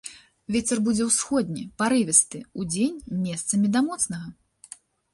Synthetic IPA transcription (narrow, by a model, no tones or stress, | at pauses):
vʲet͡sʲɛrbud͡zʲɛwsxɔd̪ʲnʲipaɾɨvʲɛst̪ɨud͡zʲenʲmʲɛst̪sɐmʲid̪amɔt̪snɐɣɐ